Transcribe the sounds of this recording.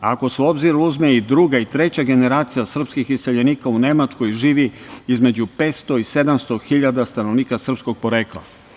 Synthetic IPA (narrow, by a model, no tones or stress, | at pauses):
ako̞seo̞bziɾuzmeid̪ɾuɡait̪ɾe̞t͡ɕaɡe̞ne̞ɾaːt̪sijasr̩pskixisseʎeniːkaune̞mat͡ʂko̞jʒiːʋiizme̞d͡ʑupe̞ːt̪st̪o̞ise̞d̪amst̪o̞xiʎad̪ast̪anoʋniːkasr̩psko̞ɡ̚po̞ɾeːklˠa̰